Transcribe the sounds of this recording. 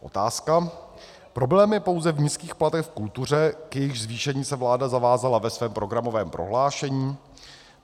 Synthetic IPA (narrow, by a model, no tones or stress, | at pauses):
ʔo̞̰t̪aːska | pɾo̞blɛːmjɛpo̞wzɛvɲiskiːxplat̪ɛxfkult̪ur̝ɛkjɛjɪxzviːʃɛɲiːsɛvlaːdazavaːzalavɛsvɛːmpɾo̞ɡɾamo̞vɛːmpɾo̞̰ɦlaːʃɛɲiː